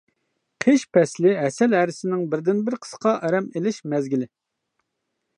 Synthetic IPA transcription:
qʰeʃpʰɛslɪɦɛsɛlɦæɾɪsɪnɪŋbɪɾd̪ɪnbɪɾqʰə̥sqʰɑʔɛɾɛmelɪʃmɛzɡʲilɪ

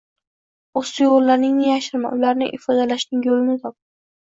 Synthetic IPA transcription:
ost̪ʊjʊllaɾnɪŋnɪjaʃɪɾma̰nʔʊlaɾnɪŋʔɪfɒd̪alaʃnɪŋjolɪnɪt̪ʰɒp̚

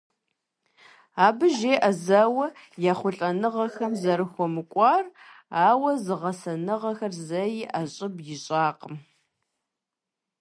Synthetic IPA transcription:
aːbɨʒeːʔɐzawɐ | jaːχʷʊɬʼɐnɨʁɐxɐmzɐɾɨxʷɔmɨkʷʼɑːraːwɐzɨʁɐsɐnɨʁɐxɐrzɐjiʔɐɕʼɪbjɪɕʼaːqəm

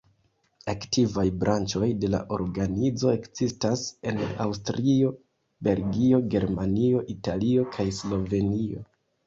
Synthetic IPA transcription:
aktivajbɾʔant͡ʃo̞jde̞la̰ʔo̞̰ɾɡanid͡zo̞e̞kz̥istase̞na̰wstɾio̞ | be̞lɡio̞ɡe̞ɾmanio̞ʔitalio̞kʰajslo̞ve̞nio̞̰

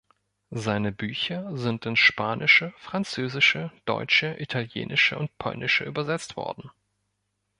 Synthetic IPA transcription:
zaɪnəbyːçɐzɪntɪnʃpaːnʔɪʃəfʁ̥ant͡søːzɪʃəd̥ɔ̰ʏt͡ʃəʔitʰaljḛːnʔɪʃəʊnt̚pʰɔ̰lnʔɪʃəʔyːbɐzɛt͡stv̥ɔ̰ɐdn̩

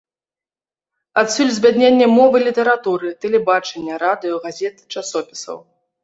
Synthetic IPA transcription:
at̪sʲulʲzʲbʲad̪nʲenʲːɛmɔvɨlʲit̪ɛɾat̪uɾɨt̪ɛlʲɛbat͡ʂɛnʲːɐɾad̪ɨjɐɣazʲɛt̪ɨ̥t͡ʂasɔpʲi̥sɐ̰w

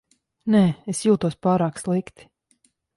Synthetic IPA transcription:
nɛːesjuːt̪uɔspaːɾaːkslˠikt̪i̥

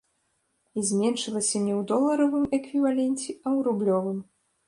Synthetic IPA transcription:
izʲmʲɛnʂɨlˠɐsʲɐmnʲɛwd̪ɔlˠːɐɾɔvɨmɛkvʲivalʲɛnʲt͡sʲɛɐwɾublʲɔvɨm

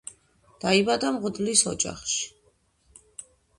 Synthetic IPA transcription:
d̪̥aibad̪amʁd̪lisɔd͡ʒa̰χʃi̥

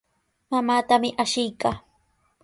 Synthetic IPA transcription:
mamaːt̪amɪʔaʃɪjkaː

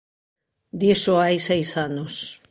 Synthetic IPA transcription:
d̪isoajsajsanos

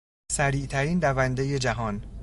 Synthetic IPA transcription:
sæɾiːʔt̪ʰæɾiːnd̪ævænd̪eje̞d͡ʒæɦɒːn

